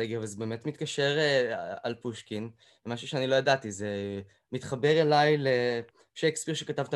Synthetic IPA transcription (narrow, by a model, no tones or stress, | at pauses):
eɡiavalzebe̞ːme̞tmit̪kaʃe̞ʁea̰lpuʃkin | emaʃuʃeanilo̞jadatize | mit̪χabe̞ʁelajle | ʃejkspiʁʃekatavt̪a